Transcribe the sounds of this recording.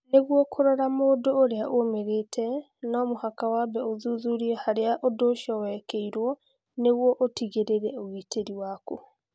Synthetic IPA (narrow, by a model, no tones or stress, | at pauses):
neɣwɔkʰoɾɔɾamoːdoːɾeaʔomeɾeːtʰɛ | nɔmohakawaːbɛoðuðuɾiɛhaɾeaʔodoʃɔwɛkeiɾwɔ | neɣwɔʔotiɣeɾeɾɛoɣiːtʰeɾiwaːko